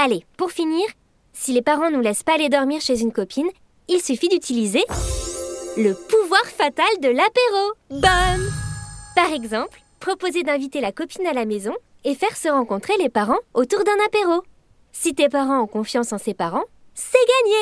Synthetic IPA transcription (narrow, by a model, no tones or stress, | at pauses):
alepuʁfiniːʁ | silepaʁɑ̃nulɛspaːled̪ɔʁmiʁʃezynkɔpin | ilsyfid̪yt̪ʰilize | ləpuvwaʁfat̪ald̪əlapeʁobɔnpaʁɛɡzɑ̃pl | pχɔpozed̪ɛ̃vit̪elakɔpinalamezɔ̃ | efɛʁsəʁɑ̃kɔ̃t̪χelepaʁɑ̃ot̪uʁd̪ɛ̃napeʁo | sit̪epaʁɑ̃ɔ̃kɔ̃fjɑ̃sɑ̃sepaʁɑ̃sɛɡaɲe